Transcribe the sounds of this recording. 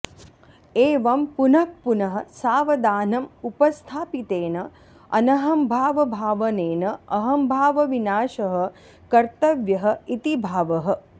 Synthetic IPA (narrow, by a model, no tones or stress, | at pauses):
eːʋɐmpunɐk̚punɐɦɐsaːʋɐd̪aːnɐmupɐst̪ʰaːpit̪eːnɐ | ɐ̰nɐɦɐmbʱaːʋɐbʱaːʋɐneːnɐɐɦɐmbʱaːʋɐʋinaːʃɐɦɐ̆ | kɐɾt̪ɐʋjɐɦɐit̪ibʱaːʋɐɦɐ